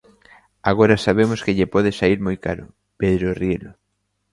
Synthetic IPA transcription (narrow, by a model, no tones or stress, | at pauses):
aɣ̞oɾasaβ̞emʊskeʎepɔð̞esaiɾmojkaɾʊ̰ | peðɾorielʊ